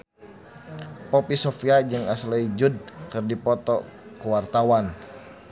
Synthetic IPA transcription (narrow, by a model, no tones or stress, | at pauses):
pɔpisɔfiad͡ʒɨŋaslɛid͡ʒud̚kɨrdipɔt̪ɔ | kuwart̪awan